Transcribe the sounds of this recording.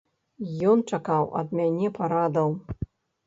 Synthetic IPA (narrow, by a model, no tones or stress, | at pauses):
jɔnt͡ʂakawʔɐ̰d̪mʲanʲɛpaɾad̪ɐw